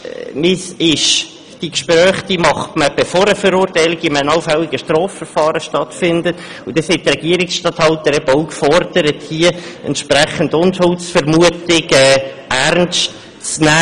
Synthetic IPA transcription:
mɪsɪʃ | d̥ikʃpɾœːχd̥imɑχtməb̥efɔɾəfəɾʊːɾtæɪlɪɡimɛnɑlfɛlːɪɡəʃtrɔːffəɾfɑːɾəʃtɑtfɪndəʊd̥ɛshɛtːrɛɡ̥iəɾɪksʃtɑthɑltəɾɛbəowkfɔɾd̥əɾəthiəɛ̰ntʃpɾɛχəndʊnthʊlsfəɾmuətɪɡɛː | æɾnʃt | t͡snæː

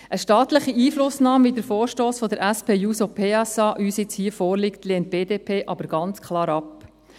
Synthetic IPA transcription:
ʔəʃtɑːt̪ləχiiːflʊsnɑːmvidəɾfɔːɾʃtoːsfɔd̪əɾʔæspʰeːjuːsopʰeːɑsɑːʔyːsɪt͡shiəfɔːɾlɪkt̪leːnt̚b̥eːdeːpʰeːʔɑbəɾɡ̥ɑnt͡skʰlɑːɾɑp

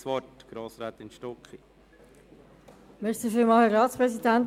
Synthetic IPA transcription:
sʋɔtɡ̥ɾoːsɾaːt̪ɪnʃtɔkχi | mesifiːmɑhɛrɑːt̪spɾɛsidænt

